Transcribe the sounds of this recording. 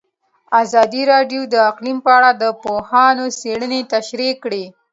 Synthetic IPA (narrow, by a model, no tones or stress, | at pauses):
azɑd̪iɾɑɖjod̪əaqlimpəaɽad̪əpohɑnoseɽənet̪aʃɾikɽe